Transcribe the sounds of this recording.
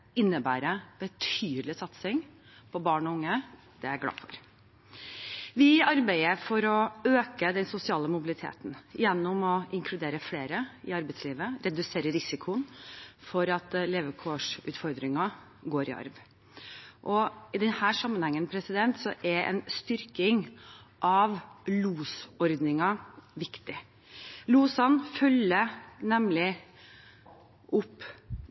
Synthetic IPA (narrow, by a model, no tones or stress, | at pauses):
ɪnːəbæːɾəb̥ət̪ʰyːd̪əlɪsɑt̪sɪŋ | pʰɔbɑːɳɔʊŋːə | d̪̥ɛæɾɡlɑ̰ːfɔ̰ɾ | ʋɪɑɾbæɪəɾfɔɾɔøːkəd̪ɛnsʊsɪɑːləmʊbɪlɪt̪ʰḛːt̪n̩jɛnːʊmɔʔɪŋkʰlʉd̪eːɾəfleːɾəɪ̰ɑɾbɛɪt̪sliːʋəɾɛd̪ʉseːɾəɾɪsɪkʰʊnfɔɾɑt̪leːʋəkʰoːʂʉːt̪fɔɾd̪ɾɪŋɑ | ɡoːɾɪ̰ɑ̰ɾʋ | ʔɔɪd̪ɛnhæːʂɑmːənhɛŋːənpʰɾɛsɪd̪ɛnt̪sɔʔɛʔɛ̰nst̪ʏɾkɪŋʔɑʋluːsɔɾd̪nɪŋɑʋɪkt̪ɪ | luːsɑnfœlənɛmlɪ | ʔʊpː